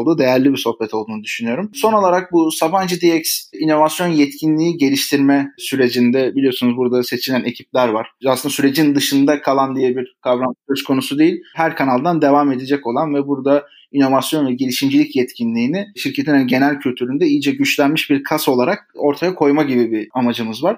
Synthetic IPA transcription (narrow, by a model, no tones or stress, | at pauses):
lˠd̪uːd̪e̞jæɾlʲibiɾso̞hbɛt̪ʰo̞lˠd̪uːnud̪yʃynyjo̞ɾumso̞no̞lˠaɾak̚busaband͡ʒɯd̪iɛcsino̞vasjo̞njɛt̪cʰinlʲiiɟe̞lʲiʃt̪ʰiɾmɛsyɾe̞d͡ʒind̪ɛbilʲijo̞sunuzbuɾad̪ase̞t͡ʃʰilʲæne̞cʰip̚lʲæɾvaɾ̥aslɯnd̪asyɾe̞d͡ʒind̪ɯʃɯnd̪akʰalˠand̪ijɛbiɾkʰavɾansøskʰo̞nusud̪e̞jilʲɦæɾkʰanalˠd̪and̪e̞vame̞d̪ed͡ʒɛco̞lˠanvɛbuɾd̪a | ino̞vasjo̞nvɛɟelʲiʃimd͡ʒilʲicjɛt̪cʰinlʲiːnɪʃiɾcʰeinhaniɟe̞nælʲcʰylʲt̪ʰyɾynd̪ɛijid͡ʒɛɟyt͡ʃlʲænmiʃbiɾkʰaso̞lˠaɾak̚o̞ɾt̪ʰajakʰo̞jmaɟibibiamad͡ʒɯmɯzvaɾ̥